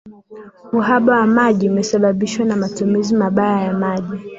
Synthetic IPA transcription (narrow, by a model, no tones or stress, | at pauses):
muɦaɓawamaʄiumɛsaɓaɓiʃwanamatumizimaɓajajamaʄi